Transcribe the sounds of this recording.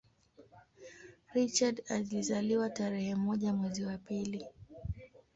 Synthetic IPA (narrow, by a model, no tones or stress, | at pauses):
ɾit͡ʃadalizaliwataɾɛhɛmɔʄamwɛziwapili